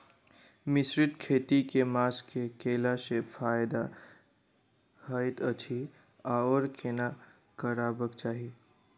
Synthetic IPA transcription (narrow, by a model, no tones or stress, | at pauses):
mɪsɾɪt̪kʰeːt̪ikemaːskekeːlasefaːjd̪a | həɪt̪ət͡ʃʰi | aɔːɾkʰena | kəɾaːbəkt͡ʃaːɦie